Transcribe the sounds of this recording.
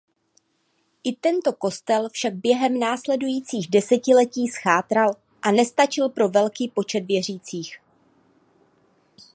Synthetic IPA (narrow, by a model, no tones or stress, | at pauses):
ʔɪt̪ɛnt̪o̞ko̞st̪ɛlfʃaɡ̚bjɛɦɛmnaːslɛdujiːt͡siːɣdɛsɛcɪlɛciːsxaːt̪ɾal | ʔanɛst̪at͡ʃɪlpɾo̞vɛlkiːpo̞t͡ʃɛt̪vjɛr̝iːt͡siːx